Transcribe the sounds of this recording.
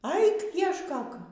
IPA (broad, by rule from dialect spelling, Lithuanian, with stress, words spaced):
ˈɐɪk iɛʃˈkoːk